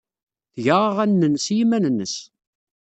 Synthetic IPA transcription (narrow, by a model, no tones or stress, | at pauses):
θʝaʁəʁænːənsjimænənːəs